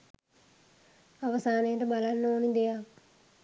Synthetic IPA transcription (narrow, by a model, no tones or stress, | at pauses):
aʋəsaːnejəʈəbalanːəonid̪eja